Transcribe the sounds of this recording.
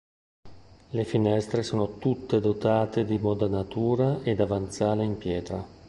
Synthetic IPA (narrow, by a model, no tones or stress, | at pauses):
lefinɛst̪ɾesoːnot̪ut̪ːed̪ot̪aːt̪ed̪imod̪anat̪uːɾaʔed̪avant̪saːleimpjɛːt̪ɾa